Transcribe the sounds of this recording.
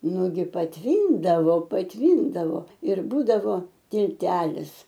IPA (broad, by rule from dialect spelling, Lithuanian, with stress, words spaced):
ˈnʊɡʲɪ pɐtʲˈʋʲiːndɐʋoː pɐtʲˈʋʲiːndɐʋoː ɪr ˈbuːdɐʋoː tʲɪlʲˈtʲæːlʲɪs